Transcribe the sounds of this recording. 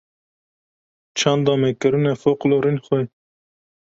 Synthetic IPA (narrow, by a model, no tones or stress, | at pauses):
t͡ʃʰɑnd̪ɑːmekɨɾunɛfoqloɾinxɛ